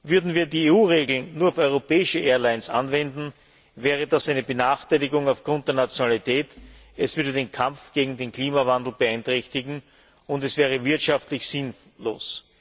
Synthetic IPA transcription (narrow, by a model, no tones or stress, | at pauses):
vʏɐdn̩viːɐdiːeːuːʁeːɡl̩nːuːɐaʊfɔʏʁopɛːɪʃəʔeːɐlaɪnsa̰nvɛndn̩ | vɛːʁ̞ədasæɪnəbənaːxtæɪlɪɡʊŋɑʊfɡ̥ʁʊnt̚d̥eɐnat͡sjonalitʰɛːt | ɛsv̥ʏɐdədeːnkʰamp͡ffɡ̥eːɡŋ̩deːnkʰl̥iːmavandl̩ˠb̥əæɪntʁɛçtɪɡŋ̩ | ʊntɛsv̥ɛːʁ̞əvɪɐtʃaftlɪçsɪn | lo̰ːs